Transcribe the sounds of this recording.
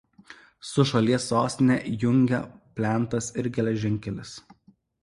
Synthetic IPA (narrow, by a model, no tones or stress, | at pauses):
sʊʃɐlʲiɛsːoːsʲt̪ʲnʲɛjʊŋʲɡʲɛ̰pʲlʲæˑnˑt̪ɐsɪɾɡʲɛlʲɛʒʲɪŋʲˑkʲɛlʲɪs